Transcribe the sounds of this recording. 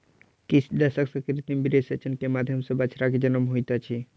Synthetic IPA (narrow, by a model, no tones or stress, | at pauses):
kisd̪əsəksə̃kɾit̪imbiɾesət͡ʃʰənkemad̪ʱjəmsẽbət͡ʃʰɾaked͡ʒənəmɦojt̪at͡ʃʰi